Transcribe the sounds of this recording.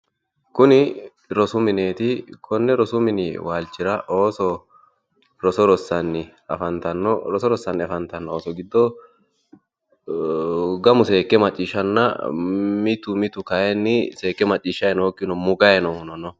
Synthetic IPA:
kʊnɪ | ɾɔsʊmɪne̞ːt̪ɪkʰɔnːɛɾɔsʊmɪnɪ̰waːlt͡ʃːɪɾɐʔoːsɔ | ɾɔsɔɾɔsːɐnːɪ | ɐfɐnt̪ɐnːɔɾɔsɔɾɔsːɐnːɪɐfɐnt̪ɐnːɔoːsɔɡɪd̪ːɔ | ɡɐmʊse̞ːkːɛmɐt͡ʃʼːiːʃːɐnːɐ̰mɪt̪ʊmɪt̪ʊkɐjɛnːɪse̞ːkːɛmɐt͡ʃʼːiːʃːɐjɛnoːkːɪnɔmʊɡɐjɛnɔʊnɔnɔ

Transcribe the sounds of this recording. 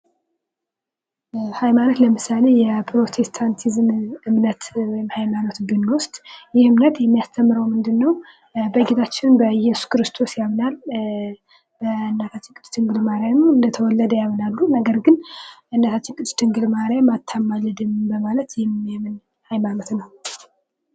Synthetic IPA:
hajmano̞t̪ləmɨsale̞jɛpʰɾo̞t̪ʰe̞st̪ʰant̪ʰizmɨmnət̪wɔjɪmhajmano̞t̪bɨnwʊst̪ʼjɪhɨmnət̪jɛmːijast̪ʰəmːɨɾəwmɨnd̪ɨnːəw | bəɡet̪ʰat͡ʃːɪnbəjɛsu̥skɨɾɨst̪ʰo̞sjamnal | bəɨnːat̪ʰat͡ʃːɪnkʼɨt͡ʃʼːt̪ʰɨŋɡɨlmaɾjamɨnd̪ət̪ʰəwɔlːəd̪əjamnalːunəɡəɾɡɨnʔɨnːat̪ʰat͡ʃːɪnkʼɨt͡ʃ̪ʼːt̪ʰːɨŋɡɨlmaɾjamat̪ʰːamːalɨd̪ɨmbəmalət̪jɛmːjɛmɨn | hajmano̞t̪nəw

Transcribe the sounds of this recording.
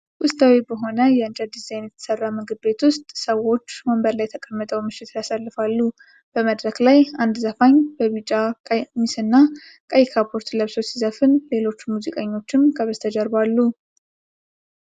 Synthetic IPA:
ʔʊst̪ʼʰawebəɦo̞nəjɛɨnt͡ʃad̪izajnjɛt̪ʰə̥sərːamɨɡɨbe̞t̪wʊst̪ʼsəwo̞t͡ʃːməmbəɾlajt̪ʰəkʼəmːət̪ʼəwmɨʃɪt̪ʰjasalːɨfalːu | b̥əməd̪ɾəɡlajand̪zəfaɲbəβit͡ʃʼːakʼmisɨnːa | kʼajkʰapʰoɾt̪ləβsosizəfɨnle̞lo̞t͡ʃːumuzikʼeɲːo̞t͡ʃːɪmkʰəβəzt̪ʰəd͡ʒəɾbalːu

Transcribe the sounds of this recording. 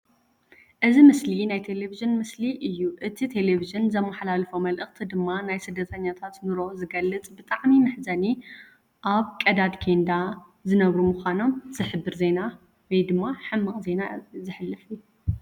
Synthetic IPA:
ʔɨzimɨslinajt̪ʰe̞le̞viʒɨnmɨsliʔɨjːuʔɨt̪ʰit̪ʰe̞le̞viʒɨnzɐmːɐħalalfomɐlʔɨxt̪ʰid̪ɨmːanajsɨd̪ːɐt̪ʰɐɲːat̪ʰat̪nɨɾo̞zɨɡɐlːɨt͡sʼbɨt̪ʼaʕmimɨħzɐni | ʔaβkʼɐd̪ad̪kʰend̪a | zɨnɐβɾumɨxʷano̞mz̥ɨħɨbːɨɾze̞na | wɔjd̪ɨmːaħɨmːɨkʼze̞nazɨħɨlːɨfɨjːu

